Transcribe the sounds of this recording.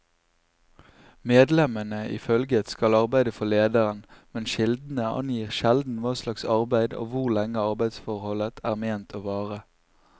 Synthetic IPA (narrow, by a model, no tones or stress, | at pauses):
meːd̪lɛmənəʔɪ̰fœlɡət̪skɑlɑʁbæɪd̪əfɔleːd̪əʁənmɛnʃɪld̪n̩əɑ̰njiːʁʃɛld̪n̩ʋɑːslɑksɑʁbæɪd̪o̰ːʋʊʁlɛŋəɑʁbæɪd̪sfɔʁhɔlət̪ʰæːʁmeːnt̪ʰoːʋɑːʁə